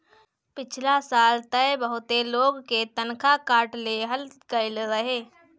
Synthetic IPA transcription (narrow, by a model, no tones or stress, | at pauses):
pɪt͡ʃʰlasaːlt̪əebəɦʊt̪eloːɡket̪ənkʰakaːʈleɦəlkəɾɪlɾəɦeː